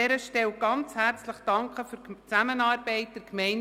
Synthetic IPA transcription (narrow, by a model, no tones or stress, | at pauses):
ɛɾəʃtɛwɡ̥ɑnt͡shæɾt͡sləχd̥ɑŋkχəfyɾt͡sæmənɑːɾbɛɪt̚d̥ɪɾkmɛɪn